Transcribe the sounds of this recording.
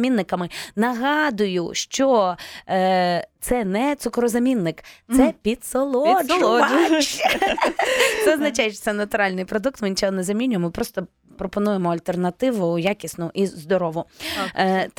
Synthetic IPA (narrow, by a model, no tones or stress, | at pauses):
mʲinːɪkɐmɪnɐɦɑd̪ʊjʊʃt͡ʃɔ | t̪sɛnɛt̪sʊkɾɔzɐmʲinːɪkt̪sɛpʲid̪sɔlˠɔ | t̪sɛɔznɐt͡ʃajeʃt͡ʃɔt̪sɛnɐt̪ʊɾɑlʲnɪjpɾɔd̪uk̚t̪mɪnʲt͡ʃɔɦɔnɛzɐmʲinʲʊjɛmɪpɾɔst̪ɔ | pɾɔpɔnujemɔɐlʲt̪ernɐt̪ɪʋʊjakʲisnʊʔizd̪ɔɾɔʋʊ | t̪